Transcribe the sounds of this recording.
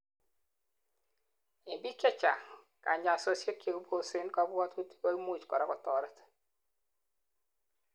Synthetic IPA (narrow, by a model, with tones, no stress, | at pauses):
i˨mbi˦t͡ʃɛ˦t͡ʃa˨ | ka̰˨ɲa˨so˨sje˦ke˨ku˦bo˦˨se˦nkɔ˦bwɔ˦tu˦ti̥˦ko˦i˦mu˦˨t͡ʃkɔ˨ɾa˦kɔ˨tɔ˨ɾɛ˦t